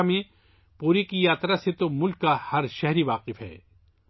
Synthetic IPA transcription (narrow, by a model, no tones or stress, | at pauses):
mẽ | puːɾikijaːt̪ɾaset̪omʊlkːahɐɾʃɛɦɾiʋaːqɪfɦɛ̰ː